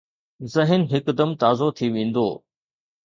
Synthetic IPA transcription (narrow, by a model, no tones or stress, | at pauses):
zɐɦɪnɦɪkd̪ɐmt̪aːzot̪ʰiʋẽːn̆d̪o̰ː